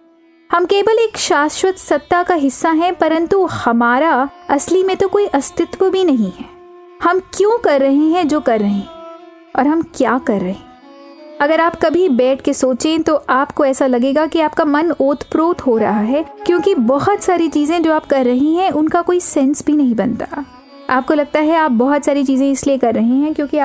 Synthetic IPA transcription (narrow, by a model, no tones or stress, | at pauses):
hɐmkeːbəleːkʃaːsʃwət̪sɐt̪ːakaɦɪsːaɦɛ̃pɐɾə̃nt̪uhɐmaːɾaɐslimẽt̪okoːiʔɐst̪ɪt̪wəbʱinɐɦĩɦɛː | hɐmkjõːkɐɾːɐɦẽɦɛ̃d͡ʒoːkɐɾːɐɦẽ | ɔ̰ːɾɦɐmkjaːkɐɾːɐɦẽː | ɐɡəɾaːpkɐbʱibɛːʈ̚ʰkesoːt͡ʃẽt̪oʔaːpkoɛːsalɐɡeːɡakiaːpkamɐnoːt̪ʰpɾoːt̪ɦoɾɐ̰ɦaɦɛːkjõːkibɐɦʊt̪saːɾit͡ʃiːzẽd͡ʒoːaːpkɐɾːɐɦĩɦɛ̃ʔʊnkakoːisɛ̃ːnsbʱinɐɦĩbɐnt̪ḁ | aːp̚kolɐɡ̚t̪aɦɛaːp̚bɐɦʊt̪saːɾit͡ʃiːzẽɪsliekɐɾːɐɦẽɦɛ̃kjõːkiaː